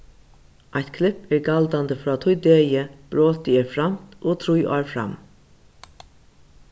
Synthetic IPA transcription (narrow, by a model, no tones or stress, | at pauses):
ʔajt̪kʰlɪpɛːɹɡald̪and̪əfɾɑːt̪ʰʊjd̪eːjəb̥ɾoːt̪ɪɛːɹfɾam̥t̪oːt̪ʰɾʊjʔɑ̰ːɹfɾa̰m